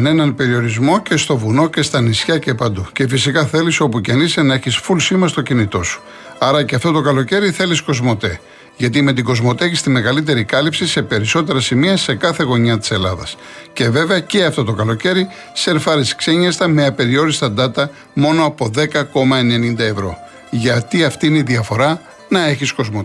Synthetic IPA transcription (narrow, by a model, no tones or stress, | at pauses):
ne̞nɐnpe̞ɾio̞ɾizmo̞ce̞st̪o̞vuno̞ce̞st̪ɐnisçɐce̞pɐnd̪uce̞fisikɐθe̞liso̞pucenisenɐe̞çisfulsimɐst̪o̞cinit̪o̞su̥ | ɐɾɐceɐft̪o̞t̪o̞kɐlo̞ce̞ɾiθe̞lisko̞zmo̞t̪e̞̰ | ʝɐt̪̬ime̞t̪̬iɡo̞zmo̞t̪eeçist̪ime̞ɣɐlit̪̬e̞ɾikɐlipsise̞pe̞ɾiso̞t̪eɾɐsimiɐse̞kɐθe̞ɣo̞ɲɐt̪i̥se̞lɐ̰ðɐ̰sce̞ve̞ve̞ɐce̞ɐft̪o̞t̪o̞kɐlo̞ce̞ɾi | se̞ɾfɐɾiskseɲɐst̪ɐmeɐpe̞ɾio̞ɾist̪ɐd̪ɐt̪ɐ | mo̞no̞ɐpo̞ðe̞kɐko̞mɐene̞nind̪ɐevɾo̞̰ | ʝɐt̪iɐft̪iineiðiɐfo̞ɾɐ | nɐe̞çisko̞zmot̪